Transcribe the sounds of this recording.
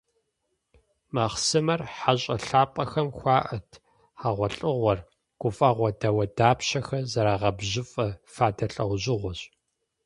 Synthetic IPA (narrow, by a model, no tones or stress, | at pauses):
maːχsɨmɐrħaɕʼɐɬaːpʼɐxɐmxʷɑːʔɐtʰ | ħaʁʷɔɬʼɨʁʷɔr | ɡ̥ʷʊfʼɐʁʷɔdɐwɐdaːpɕɐxɐzɐɾaːʁɐbʑɪfʼɐfaːdɐɬʼɐwʷʑɪʁʷɔɕʼ